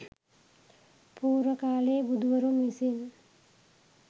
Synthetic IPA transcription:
puːɾʋəkaːleːbud̪ʱʋɐɾumisin

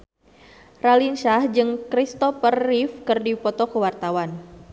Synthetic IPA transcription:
ralinʃahd͡ʒɨŋkɾist̪ɔfərːifkɨrdipɔt̪ɔkəwart̪awan

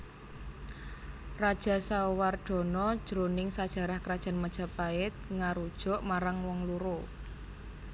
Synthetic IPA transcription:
rad̥ʒ̥a̤sawarɖ̥ɔ̤nɔd̥ʒ̥ɾonɪŋsad̥ʒ̥a̤ɾahkəɾad̥ʒ̥a̤nmad̥ʒ̥a̤paɪt̪̚ŋaɾud̥ʒ̥ɔ̤ʔmaɾaŋwɔŋluɾo

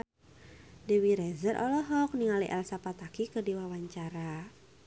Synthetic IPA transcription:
dəwiɾɛzərʔɔ̰lɔɦɔk̚niŋaliʔɛ̰lsapat̪akikədiwawaɲt͡ʃaɾa

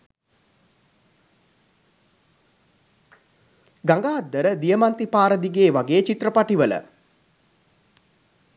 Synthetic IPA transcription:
ɡaŋɡaːd̪ːəɾəd̪ijəmant̪ipaːɾəd̪iɡeːʋaɡeːt͡ʃit̪rəpaʈiʋələ̰

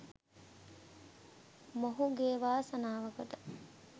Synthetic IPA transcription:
moɦuɡeːʋaːsɐnaːʋɐɡət̪ə

